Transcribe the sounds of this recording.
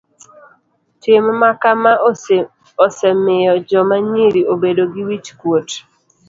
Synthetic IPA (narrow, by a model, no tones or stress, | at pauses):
tɪmmakama | ɔsɛmɪjɔd͡ʒɔmaɲiɾiobedoɡɪwit͡ʃkwot